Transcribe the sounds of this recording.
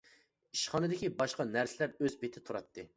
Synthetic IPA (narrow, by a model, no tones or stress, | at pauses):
iʃχɑnɨd̪ɪkʲibɑʃqɑnæɾsɪlæɾøzbet̪ʰɪt̪ʰuɾɑt̪ːɨ